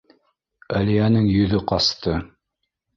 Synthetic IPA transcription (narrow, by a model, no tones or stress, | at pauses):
æliænɘŋjɵ̆ðɵqɑst̪ɤ